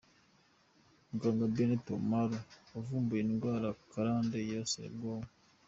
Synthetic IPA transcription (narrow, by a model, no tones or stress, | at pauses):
ɡaŋɡabenetomaɾoovumbueniɡaɾakaɾaːndejasḛɡom